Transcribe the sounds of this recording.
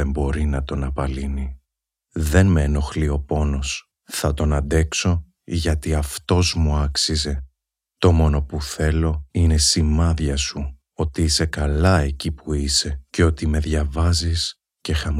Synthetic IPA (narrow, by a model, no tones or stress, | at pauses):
embo̞ɾinɐt̪o̞nɐpɐlini | ðe̞nmeːno̞xlio̞po̞no̞s | θɐt̪o̞nɐd̪e̞kso̞ | ʝɐt̪iɐft̪o̞zmuɐksize̞ | t̪o̞mo̞no̞puθe̞lo̞ine̞simɐðʝɐsu | o̞t̪iise̞kɐlɐe̞cipuise̞ce̞o̞t̪ime̞ðʝɐvɐzis | ce̞xɐm